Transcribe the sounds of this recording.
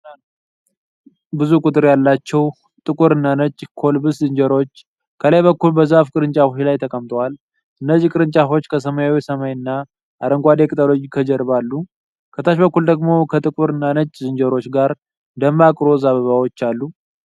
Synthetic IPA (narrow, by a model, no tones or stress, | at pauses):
bɨzukʼut̪ʼɨɾjalːat͡ʃːɛw | t̪ʼɨkʼuɾɨnːanət͡ʃʼːkʰo̞lbɨszɨnd͡ʒəɾo̞t͡ʃː | kʰələjβəkːulbəzafkʼɨɾɨnt͡ʃʼafuhilajt̪ʰəkʼəmt̪ʰʼəwal | ʔɨnːəzikʼɨɾɨnt͡ʃʼafo̞t͡ʃːkʰəs̬əmajawisəmajɨnːa | ʔaɾəŋɡʷad̪ekʼɨt̪ʼalod͡ʒikʰəd͡ʒəɾβalːu | kʰət̪ʰaʃbəkːuld̪əɡmo̞kʰət̪ʼɨkʼuɾɨnːanət͡ʃʼːzɨnd͡ʒəɾo̞t͡ʃːɡaɾ | d̪əmbakʼɾo̞zaβəβawo̞t͡ʃːalːu